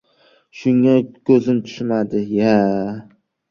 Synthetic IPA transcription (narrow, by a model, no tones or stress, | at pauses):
ʃʊŋakʲʰɵzɪmt̪ʰʊ̥ʃmad̪ɪja